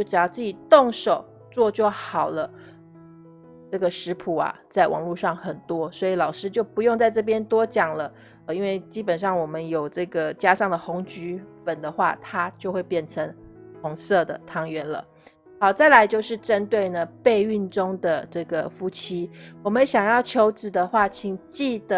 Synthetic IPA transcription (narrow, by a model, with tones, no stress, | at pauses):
jo˥˩ʊʈ͡ʂɻ̩˨˩jɑ˥˧t͡sɹ̩˥˩t͡ɕi˨˩t̪ʊ˥˨˩ŋʂo˨˩ʊ | t͡swɔ˥˧t͡ɕwo˥˩xɑ˨˩ʊlə˦ | ʈ͡ʂɤ˥˩ɡə˩ʂɻ̩˧˥pʰu˨˩˦a̰˩t͡sa˥˩ɪwɑ̰˨˩ŋlu˥˧ʂɑ˥˩ŋxə˨˩nt̪wɔ˦˥swɔ˧˥i˨˩lɑ˨˩ʊʂɻ̩˥t͡ɕjo˥˩ʊpu˧˦jʊ˥˧ŋt͡sa˥˧ɪʈ͡ʂɤ˥˩p̬jɛ˥nt̪wɔ˥t͡ɕjɑ˨˩ŋlə˦ | ə˧˩i˥nwe˥˩ɪt͡ɕi˥pə˨˩nʂɑ˥˩ŋwɔ˨˩mə˦njo˨˩ʊʈ͡ʂɤ˥˩ɡə˩t͡ɕja˥ʂɑ˥˩ŋd̪ə˩xʊ˧˥ŋt͡ɕy˧˥fə˨˩nd̪ə˦xwa̰˥˩t̪ʰa˥t͡ɕjo˥˧ʊxwe˥˧ɪpjɛ˥˩nʈ͡ʂʰə˧˥ŋhʊ˧˥ŋsɤ˥˩d̪ə̰˩t̪ʰɑ˥ŋɥɛ˧˥nlə̰˨ | xɑ˧˥ʊt͡sa˥˩ɪla˧˥ɪt͡ɕjo˥˧ʊʂɻ̩˥˩ʈ͡ʂə˦˥nt̪we˥˩ɪnə˩pe˥˧ɪy˥˩nʈ͡ʂʊ˥ŋd̪ə˨ʈ͡ʂɤ˥˩ɡə̰˩fu˥t͡ɕʰi˥wɔ˨˩mə˦nɕjɑ˨˩ŋjɑ˥˩ʊt͡ɕʰjo˧˥ʊʈ͡ʂɻ̩˨˩d̪ə˨xwa˥˩t͡ɕʰi˧˥ŋt͡ɕi˥˩d̪ə˩